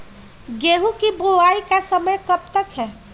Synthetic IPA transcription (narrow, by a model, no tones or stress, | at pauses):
ɡeɦũkiboʋaikasəməjkəp̚t̪əkɦɛ